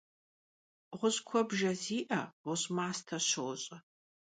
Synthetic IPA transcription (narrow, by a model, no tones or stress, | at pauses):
ʁʷʊɕkʷʰɔbʒɐziːʔɐwʊɕʼmaːstʰɐɕowɕʼɐ